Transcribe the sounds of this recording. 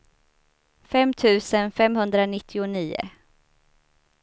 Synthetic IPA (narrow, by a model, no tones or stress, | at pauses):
fɛmːt̪ʰʉ̟ːsənfɛmhɵnd̪ɾanɪt̪ʰːɪʊniːʊ̰